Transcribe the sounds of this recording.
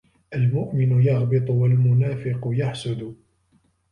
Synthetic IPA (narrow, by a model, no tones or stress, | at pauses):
ʔalmʊʔmɪnʊjɑɣbɨt̪ˤʊwalmʊnaːfɪqʊjaħsʊd̪